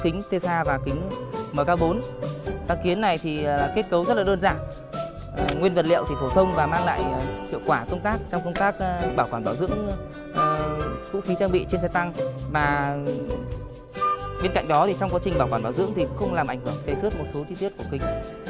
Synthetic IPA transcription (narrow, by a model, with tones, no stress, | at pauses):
kï˨˦ŋ̟t̪ʰe˧saː˧vaː˨˩kï˨˦ŋ̟məː˨˩kaː˧wɓo˨˦nt̪aː˨˧˩ŋki˨˦ənːa˨˩jt̪ʰiː˨˩˨ke˦˥t̚kə˨˦wzə˦˥laː˨˩ɗəː˧nzaː˧˩n˨˩ | ŋwi˧ənvə˨˩t̚lḭ˧˨əwt̪ʰi˨˩fo˧˩t̪ʰə˧wŋ͡mvaː˨˩maː˧ŋla̰ː˧˨jhḭ˧˨əwkwaː˧˩kə˧wŋ͡mt̪aː˦˥k̚t͡ɕɔ˧wŋ͡mkə˧wŋ͡mt̪aː˦˥k̚ɓaː˧˩wkwaː˧˩mɓaː˧˩wzɨ̰˧˥əŋ˨ | kṵ˧˥xi˨˦t͡ɕaː˧ŋɓḭ˧˨t͡ɕe˧nsɛ˧t̪a˧ŋvaː˨˩ | ɓe˧nka̰˧˨jŋ̟ɗɔ˨˦t̪ʰi˨˩t͡ɕɔ˧wŋ͡mka˨˦t͡ɕi˨˩ŋ̟ɓaː˧˩wkwaː˧˩ɓaː˧˩zɨ̰˧˥əŋt̪ʰi˨˩˧xə˧wŋ͡mlaː˨˩mʔa˧˩jŋ̟hɨ˧˩əŋt̪e˨˦sə˦˥t̚mo˨˩t̚so˨˦t͡ɕi˧t̪i˦˥əku˧˩kï˨˦ŋ̟